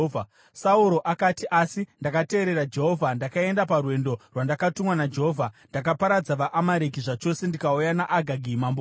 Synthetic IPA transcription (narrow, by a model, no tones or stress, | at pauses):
a | sauɾo̞ʔakatiʔasindakate̞ːɾe̞ɾad͡ʒe̞ɦovʱandakae̞ndaparwe̞ndo̞rwandakatumwanad͡ʒeɦovʱandak̬apaɾad͡zaʋaʔamaɾekiʐat͡ʃo̞se̞ndikaujanaʔaɡʱaɡʱimamb